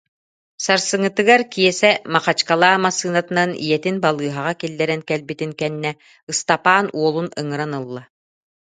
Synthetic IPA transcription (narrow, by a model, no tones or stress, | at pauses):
saɾsɯŋɯt̪ɯɡaɾkijɛsɛmaχat͡ɕkalˠaːmasɯːnat̪ɯnanḭjɛt̪inbalˠɯːɦaʁakilːɛɾɛnkɛlbit̪iŋkɛnːɛ | ɯst̪apaːnuɔlˠunɯŋɯɾanɯlˠːa